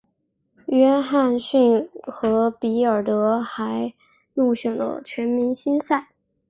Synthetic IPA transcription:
ɥɛ˥nxa˥˧nɕy˥˩nxɤ˧˥pi˧˥ə˞˨˩t̪ɤ˧˥xa˧˥ɪ | lu˥˩ɕɥɛ˨˩ŋlə̰˦t͡ɕʰɥɛ˧˥nmi˧˥nɕi˥nsa˥˩ɪ

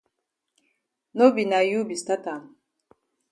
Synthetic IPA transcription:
no˦bi˨na˨ju˦bi˨sta˦ta˨m

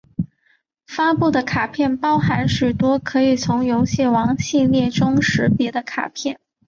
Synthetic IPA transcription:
fa˥pu˥˩d̪ə˩kʰa˨˩pʰjɛ˥˩npɑ˥ʊxa˧˥nʂy˨˩t̪wɔ˥kʰɤ˧˥i˨˩t͡sʰʊ˧˥ŋjo˧˥ʊɕjɛ˥˩wɑ˧˥ŋɕi˥˧ljɛ˥˩ʈ͡ʂʊ˥ŋʂɻ̩˧˥pjɛ˧˥d̪ə˧kʰa̰˨˩pʰjɛ˥˩n

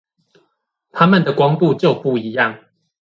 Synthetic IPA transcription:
t̪ʰa˦mə˨nd̪ə˨kwɑ˦ŋt̪u˥˨t͡ɕjo˥˨ʊpu˥˨i˨˦jɑ˥˨ŋ

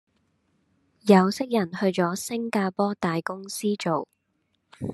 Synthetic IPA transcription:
jɐ˨˧wsɪ˥k̚jɐ˨˩nhɵ˧ɥt͡ʃɔː˨˥sɪ˥ŋkaː˧pɔː˥t̪aː˨jkʊ˥ŋsiː˥t͡ʃo˨w

